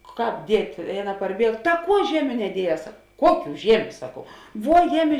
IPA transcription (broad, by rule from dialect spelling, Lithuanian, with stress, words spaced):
ˈkɑːp ˈdʲiɛtʲ ɪ ˈɑːˌnɐ pɐrʲˈbʲiɛk tɐ ˈkuɔ ˈʒʲiɛmʲʊ nʲɛˈdʲiɛˌjɛːs ˈkuɔˌkʲuː ˈʒʲiɛmʲʊ ˈsɑːkɐʊ ˈʋuɔ ˈjæːˌmʲɪ